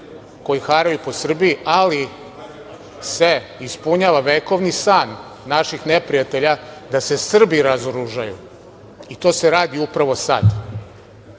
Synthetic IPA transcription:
ko̞jixaɾajupo̞sr̩biiali | se̞ispuɲaːʋaʋeːko̞ʋnisaːnː | aʃixnepɾijat̪e̞ʎad̪ase̞sr̩biɾazoɾuʒajṵ | it̪o̞ːse̞ɾaːd̪iupɾaʋo̞sa̰d̪

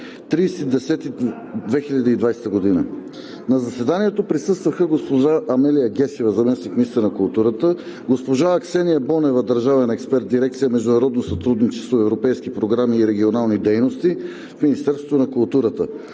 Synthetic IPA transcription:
t̪ɾiːsɛid̪ɛsɛt̪i | d̪vɛxilʲɐd̪iːd̪vajsɛ̥t̪əɡod̪inə | nɐzɐsɛd̪aniɛt̪opɾisɤst̪vɐxəɡospoʒaʔɐmɛlijəɡʲɛsivəzɐmɛsnikmiist̪ənɐkulˠt̪uɾət̪ə | ɡospoʒaːksɛniəbɔnɛvəd̪ɐɾʒavɛnɛkspɛɾt̪̚d̪iɾɛkt̪sijəmɛʒd̪unɐɾɔd̪nosɐt̪ɾud̪nit͡ʃɛ̥st̪voɛvɾopɛjskipɾoɡɾamiːɾɛɡʲionalˠnid̪ɛjnost̪i | fminist̪ɛɾsvo̥t̪onɐkʊlˠt̪uɾət̪ə

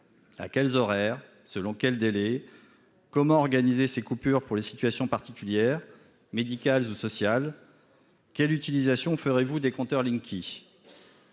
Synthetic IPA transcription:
a̰kʲɛlzɔʁɛːʁ | səlɔ̃kʲɛld̪elɛ | kɔmɑ̃ɔʁɡanizesekupyʁpuʁlesi̥t̪ɥasjɔ̃paʁt̪ikʲyljɛːʁ | med̪ikʲalzusɔsjal | kʲɛlyt̪ilizasjɔ̃fəʁevud̪ekɔ̃t̪œʁlĩŋkʲʰi

